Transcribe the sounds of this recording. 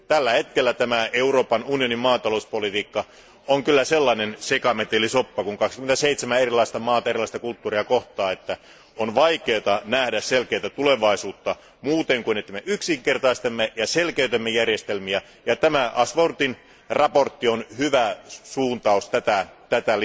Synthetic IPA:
t̪ælːæhet̪kelːæt̪æmæeuroːpɑnunionimmɑːt̪ɑlouspolit̪iːkːɑ | oŋkylːæselːɑinensekɑmet̪elisopːɑkuŋkɑkskyment̪æseit̪semæerilˑɑist̪ɑmɑːt̪ɑerilˑɑˑist̪ɑkult̪ːuːriɑkoht̪ɑːet̪ːæ | onʋɑikeːt̪ɑnæhdæsselkeːt̪æt̪uleʋɑisuːt̪ːɑ | muːt̪eŋkuinet̪ːæmeʔyksiŋkert̪ɑist̪emːejɑselkeyt̪emːejærjest̪elmiæ | jɑt̪æmæʔɑsʋort̪in | rɑport̪ːionhyʋæsuːnt̪ɑust̪æt̪æt̪æt̪æl

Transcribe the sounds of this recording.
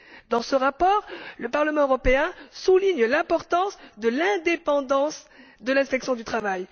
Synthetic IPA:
d̪ɑ̃səʁapɔʁləpaʁləmɑ̃øʁɔpeɛ̃suliɲlɛ̃pɔʁt̪ɑ̃sd̪əlɛ̃d̪epɑ̃d̪ɑ̃s | d̪əlɛ̃spɛksjɔ̃d̪yt̪χavaj

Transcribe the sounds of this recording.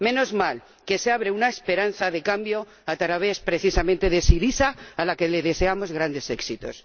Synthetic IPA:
mẽ̞no̞zmal | ke̞seaβ̞ɾeunaespe̞ɾan̟θaðe̞kambjo̞ | at̪aɾaβespɾe̞θisamẽnt̪e̞ðe̞siɾisaːlake̞le̞ðe̞se̞amo̞zɣ̞ɾand̪e̞se̞ksit̪o̞̰s

